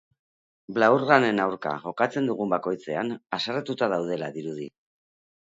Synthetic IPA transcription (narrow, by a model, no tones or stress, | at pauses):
blauɾɣane̞nawɾka̰ʝo̞kat͡se̞nd̪uɣ̞umbako̞jt͡se̞anasarat̪ut̪að̞awð̞e̞laðiɾuð̞i